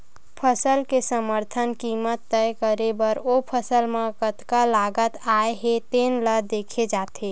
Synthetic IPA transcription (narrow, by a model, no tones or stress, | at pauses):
pʰəsəlkesəməɾt̪ʰənkimət̪ːəjkəɾebəɾopʰəsəlmẽkət̪kalaɡət̪aeɦet̪enləd̪ekʰed͡ʒat̪ʰe